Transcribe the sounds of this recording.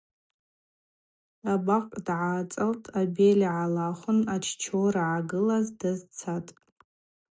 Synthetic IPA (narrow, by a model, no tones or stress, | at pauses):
abaqʼdʕaːt͡sʼaltʼabelʲaʕalaχʷʊnat͡ʃʰt͡ʃʰoraʕaɡɨlazdazt͡sʰatʼ